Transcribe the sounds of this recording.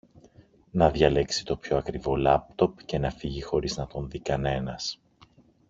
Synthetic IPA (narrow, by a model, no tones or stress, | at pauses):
nɐðʝɐle̞ksi̥t̪o̞pço̞ɐkɾivo̞lɐp̚t̪o̞pce̞nɐfiʝixo̞ɾiznɐt̪o̞nðikɐne̞nɐs